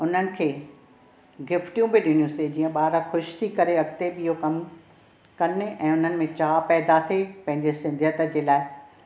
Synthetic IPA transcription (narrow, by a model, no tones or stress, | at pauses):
ʊn̤ənɪ̆kʰeː | ɡɪfʈijũbɪɗɪɽ̃ijũsed͡ʑiːə̃ɓaːɾaxʊʃt̪ʰikɐɾeɐɡt̪eɓiɦokɐm | kɐnɪʔɛ̃ːʊn̤ənɪ̆mẽt͡ɕaːpɛːd̪at̪ʰepɐ̃ɦɪ̃ɲd͡ʑesɪ̃nd̪ʱjət̪ə̆d͡ʑeːlaːɪ